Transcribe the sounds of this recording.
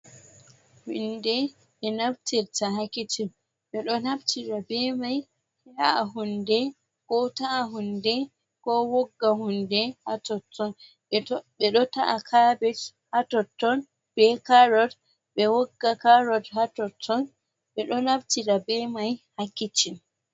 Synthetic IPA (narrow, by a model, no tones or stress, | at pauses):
hundɛ | ɓɛnaftiɾtaɦakːiti | ɓɛɗɔnabtiɾabɛmaj | hɛhaaɦundɛ | kɔtaaɦundɛ | kɔwɔɡːahundɛhatɔtːɔn | ɛɓɛɗɔtaʔakʰabɛt | hatɔtːɔn | b̥ɛkaɾɔd | ɓɛwɔɡːakaɾɔdhatɔtʰːɔn | ɓɛɗɔnabtiɾabɛmajhakːit͡ʃim